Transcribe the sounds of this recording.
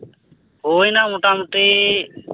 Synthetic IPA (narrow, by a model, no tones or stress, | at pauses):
ɦoːinaːmʊʈaːmʊʈeː